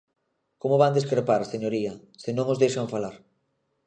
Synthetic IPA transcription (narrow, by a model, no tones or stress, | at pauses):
komoβand̪eskɾepaɾseɲoɾiɐ | sɪnõŋozðejʃaɱfalaɾ